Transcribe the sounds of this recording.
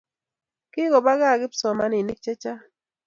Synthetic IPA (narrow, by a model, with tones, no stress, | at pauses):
kɪ˦ɡɔ˨ba˦ɣa˦˨ɡɪ˦psɔ˨ma˦ni˨ni˦k̚t͡ʃe˦t͡ʃa˦